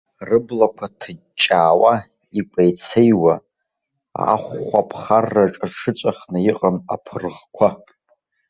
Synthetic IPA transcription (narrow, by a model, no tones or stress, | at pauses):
rɨblakʷʰatʰɨ | t͡ʃʼːaːwa | ipʷʼajt͡sʰejwa | a̰χːʷapʰχarːaʈ͡ʂʼaʂʰɨt͡ʃʷʼaχnɨjɪqʼama̰pʰɨrʁkʷʰa